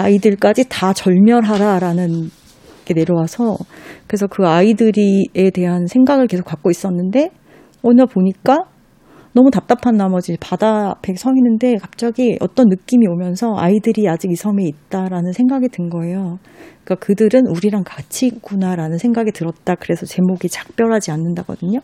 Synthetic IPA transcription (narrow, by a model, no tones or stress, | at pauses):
aidɯɭk͈ad͡ʑitat͡ɕʌɭmjʌɾɦaɾaɾanɯn | ɡ̥e̞ne̞ɾjʌwasʰʌkɯɾesʰʌkɯaidɯɾie̞te̞ɦansʰe̞ŋɡaɡɯɭke̞sʰo̥k͈ak̚k͈ois͈ʌnːɯnde̞ | onɯɭpoɲik͈a | nʌmutap̚t͈apʰanːamʌd͡ʑipadapʰe̞ksʰʌŋinɯnde̞kap̚t͡ɕ͈aɡiʌ̰t͈ʌnːɯk͈imiomjʌnsʰʌa̰idɯɾiad͡ʑiɡisʰʌme̞it̚t͈aɾanɯnsʰe̞ŋɡaɡitɯnɡʌe̞jo | ik͈akɯdɯɾɯnuɾiɾaŋkat͡ɕʰiɡunaɾanɯnsʰe̞ŋɡaɡitɯɾʌt̚t͈akɯɾe̞sʰʌt͡ɕe̞moɡit͡ɕḁk̚p͈jʌɾɦad͡ʑianːɯndaɡʌ̰dɯɲo